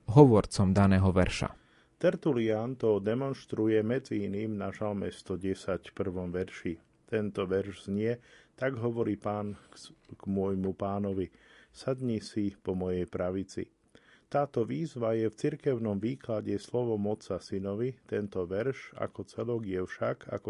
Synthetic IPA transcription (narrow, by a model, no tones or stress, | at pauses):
ɦɔʋɔɾt͡sɔmd̪anɛːɦɔʋɛɾʃa̰ | t̪ɛɾt̪uliant̪ɔd̪ɛmɔnʃt̪ɾujɛmɛd͡ziiniːmnaʒalmɛst̪ɔɟɛsacfpr̩ʋɔmʋɛɾʃi | t̪ɛnt̪ɔʋɛɾʒz̥ɲɪɛt̪aɡɦɔʋɔɾiːpaːnɡ̥mʊɔjmupaːnɔʋisad̪ɲisipɔmɔjɛjpɾaʋit͡sḭ | t̪aːt̪ɔʋiːzʋajɛft͡siɾkɛʊnɔmʋiːklaɟɛslɔʋɔmɔt͡sasinɔʋit̪ɛnt̪ɔʋɛɾʃa̰kɔt͡sɛlɔɡjɛfʃaɡa̰kɔ